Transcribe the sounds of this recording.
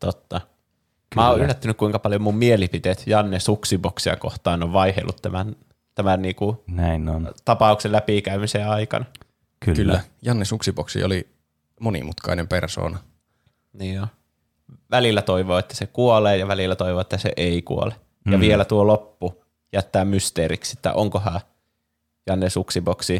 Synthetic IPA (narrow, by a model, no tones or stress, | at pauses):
t̪ot̪ːɑ | mæoːylːæt̪ːænykkuiŋkɑpɑljomummielipit̪eːt̪jɑnːesuksiboksiɑ̰ko̰ht̪ɑːnoʋʋɑihḛlːut̪t̪ːæmæn | t̪æmænniːkunæinont̪ɑpɑˑukselæpikæymiseɑikɑ̰nɑ | kykylːæjɑnːesuksiboksḭoli | monḭmut̪kɑ̰inemperso̰ːnɑ | niːo | ʋælilːæt̪oiʋoːet̪ːæ̥sekuoleːjɑʋælilːæt̪oiʋoːet̪ːæsḛʔeikṵo̰le | jɑʋielæt̪uolopːu | jæt̪ːæːmmyst̪eːɾḭksi̥t̪ːæ̰ʔoŋkohɑ | jɑnːesuksiboksi